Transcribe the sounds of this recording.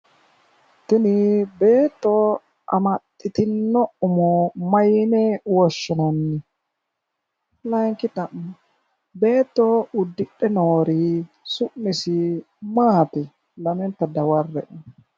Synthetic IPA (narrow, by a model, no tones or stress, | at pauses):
t̪ɪnɪbeːt̪ːɔ | ʔɐ̰mɐt̪ʼːɪt̪ɪnːɔʊmɔmɐjnɛwɔʃːɔnɐnːɪ | lɐŋkɪt̪ɐʔ | beːt̪ːɔʊd̪ːɪɗɛnoːɾi | sʊʔːɪsɪ | maːt̪ɛ | lɐmɛnt̪ɐd̪ɐwɐrːɛʔ